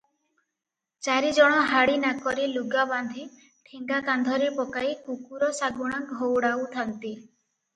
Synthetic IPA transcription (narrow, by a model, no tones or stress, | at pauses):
t͡ʃaɾid͡ʒɔɽ̃ɔɦaɽinakɔɾiluɡaband̪ʱi | ʈʰiŋɡakand̪ʱɔɾepɔkaikukuɾɔsaɡuɽ̃aɡʱowɽawt̪ʰant̪i